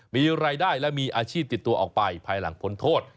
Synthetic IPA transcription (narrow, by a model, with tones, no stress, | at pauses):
miː˧ɾaː˧jdaː˥˩jlɛ˦˥˩miː˧ʔaː˧t͡ɕʰiː˥˩p̚t̪i˨˩t̪ːu˧ɐʔɔː˨˩k̚pa˧jpʰaː˧jla˩˦ŋpʰo˦˥nt̪ʰoː˥˩t̪̚